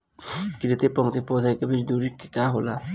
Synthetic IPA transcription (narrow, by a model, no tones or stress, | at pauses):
kiɾet̪epɔŋt̪epɔd̪ʱakabid͡ʒd̪uɾikːikaɦola